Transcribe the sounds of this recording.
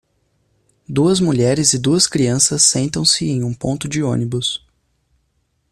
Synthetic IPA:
d̪uɐzmuʎɛɾɪzɪd̪uɐskɾiɐ̃sɐsːẽnt̪ɐ̃w̃sɪẽj̃ũpõnt̪ʊd͡ʒɪõnibʊs

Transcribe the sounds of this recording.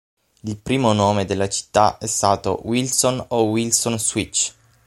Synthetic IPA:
ilpɾiːmonoːmed̪elːat͡ʃi̥t̪ːa̰ʔɛst̪aːt̪o̰wilsonowilsonswit͡ʃː

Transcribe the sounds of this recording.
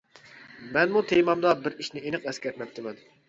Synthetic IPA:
mɛnmut̪ʰejmɑmd̪ɑbɪɾiʃnɪenɨqɛskʲɛt̪mɛp̚t̪ʰːɪmɛn

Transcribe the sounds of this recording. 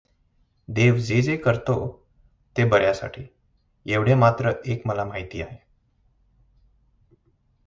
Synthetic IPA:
d̪eʋd͡zed͡zekəɾt̪o | t̪ebəɾjasa̰ʈʰḭː | eʋɽ̤emat̪ɾəʔekməlamaɦit̪iːaɦe

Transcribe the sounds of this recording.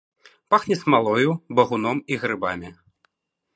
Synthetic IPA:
paxnʲɛsmalˠɔjubɐɣunɔmiɣɾɨba̰mʲi

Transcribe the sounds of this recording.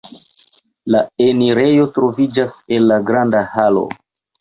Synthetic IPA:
lae̞niɾe̞jo̞tɾo̞vid͡ʒase̞lːaɡɾandahalo̞̰

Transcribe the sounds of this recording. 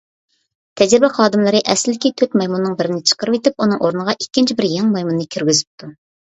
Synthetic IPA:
t̪ʰɛd͡ʒɾɪbɛχɑːd̪ɨmlˠɨɾɨʔɛslɪkʲit̪ʰøt̪mɑjmunːɨŋbɪɾɪnɪt͡ʃʰə̥qʰəɾɨvet̪ɪp̚unɨŋʔoɾnəʁɑʔikʲːɪnt͡ʃʰibɪɾjɛŋmɑjmunnɨkʲʰyɾɡʲyzɪp̚t̪ʰu

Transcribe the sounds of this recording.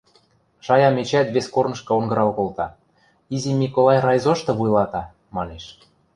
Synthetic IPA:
ʃɑjɑmet͡ɕæt̪βeskornɤ̆ʃkɤ̆onɡɤ̆ɾɑlkolt̪ɑ | izʲimʲikolˠɑjrɑjzoʃt̪ɤ̆βujlɑt̪ɑ | mɑneʃ

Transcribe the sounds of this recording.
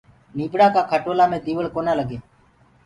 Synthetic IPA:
niːbɽaːkaːkʰəʈoːlaːmẽːd̪iːʋəɭkoːnaːləɡeː

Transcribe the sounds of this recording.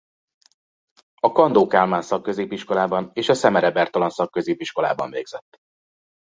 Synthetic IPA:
ɒkɒnd̪oːkaːlmaːnsɒkːø̞zeːpiʃko̞laːbɒneːʃɒsɛmɛɾɛbɛrt̪ɒlɒnsɒkːøzeːpiʃko̞la̰ːbɒ̰ɱveːɡz̥ɛt̪ː

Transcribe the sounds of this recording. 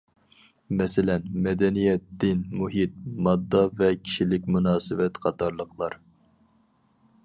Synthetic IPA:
mɛsɪlɛnmɛd̪ɛnijɛt̪̚d̪ɪnmuɦit̪̚mɑd̪ːɑvɛkʲʰi̥ʃilɪkʲmunɑːsɨvɛt̪qʰɑt̪ʰɑɾlˠəqʰlˠɑɾ

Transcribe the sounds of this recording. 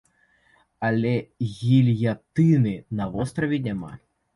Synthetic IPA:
ɐlʲɛɣʲilʲjat̪ɨnɨnɐvɔst̪ɾɐvʲinʲama̰

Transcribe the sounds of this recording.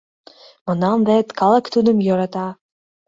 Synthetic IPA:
mɤ̆nɑnd̪et̪kʰɑlˠɑkt̪ud̪ə̆mjoɾɑt̪ɑ

